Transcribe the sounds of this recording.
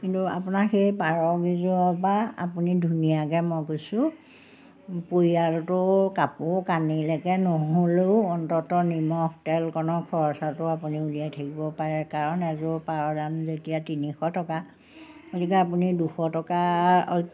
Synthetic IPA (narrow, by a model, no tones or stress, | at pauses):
kintua̰punaxejpaɹɔɡizɔɔpaa̰punidʱunijakɛmɔjkojsʊ̃ | poɹiaɹtʊkapʊkanilɛkɛnoɦoleʊɔntɔtɔnimɔxtɛlkɔnɔkʰɔɹɔsatʊapuniuliajtʰakibɔpaɹɛkaɹɔnɛzʊpaɹɔdanzetijatinixɔtɔka | otikɛapuniduxɔtɔka